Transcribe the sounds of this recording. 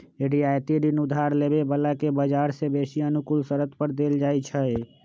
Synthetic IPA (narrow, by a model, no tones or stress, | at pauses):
eɽiajt̪id̪inud̪ʱaɾlebebəlakebəd͡ʒaɾsebesiənukulsəɾət̪pəɾd̪eld͡ʒajt͡ʃʰəe